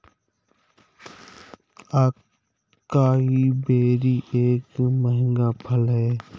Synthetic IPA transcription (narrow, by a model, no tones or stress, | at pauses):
aːkː | aːɦiːbeːɾiːʔeːkməɦɪ̃ŋɡaːpʰəlɦɛː